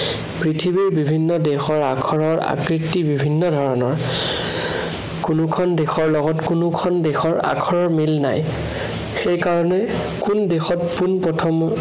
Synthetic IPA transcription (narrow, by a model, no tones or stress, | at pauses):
pɹitʰibiɹbibʱinːɔdexɔɹakʰɔɹɔɹa̰kɹitːibibʱinːɔdʱɔɹɔnɔɹ | kunʊkʰɔndexɔɹlɔɡɔtkunʊkʰɔndexɔɹa̰kʰɔɹɔɹmilna̰j | xejkaɹɔnɛ | kundexɔtpunpɹɔtʰɔm